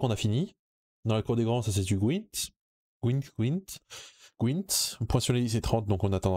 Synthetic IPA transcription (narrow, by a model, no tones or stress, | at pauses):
kɔ̃nafini | d̪ɑ̃lakuʁd̪eɡʁɑ̃sas̬et̪yɡwit̪ | ɡ̥wint̪ɡwint̪ɡ̥wint̪pwɛ̃syʁleis̬et̪χɑ̃t̪̚d̪ɔ̃kɔ̃nat̪ɑ̃d̪